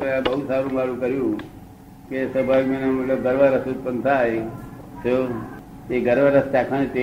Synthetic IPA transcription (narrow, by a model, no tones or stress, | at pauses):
ãbəɦusaɾũːmaɽũkəɾjũ | kesəbʱajkmenemət̪ləb̚ɡəɾʋaɾəsut̪̚pənt̪ʰaj | t͡ʃʰo | eɡəɾʋaɾəst̪akʰanet̪e